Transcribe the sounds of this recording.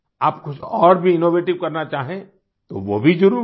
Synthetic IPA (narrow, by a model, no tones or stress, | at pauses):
aːpkʊt͡ʃʰɔːɾbʱiɪnoːʋeːʈɪʋkɐɾnat͡ʃaːɦẽ | t̪o̰ʋobʱid͡ʒʊɾu